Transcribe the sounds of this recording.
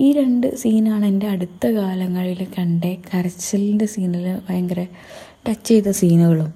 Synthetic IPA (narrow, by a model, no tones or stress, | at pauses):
iːɾe̞ɳɖɨsiːnaːɳende̞ɐɽut̪ːɐkaːlɐŋːɐɭilkɐɳɖe̞kɐrɐt͡ɕːɐlindesiːnilʋɐjɐŋɡɐre | ʈɐt͡ɕːe̞jt̪ːɐsiːnuɣɐɭum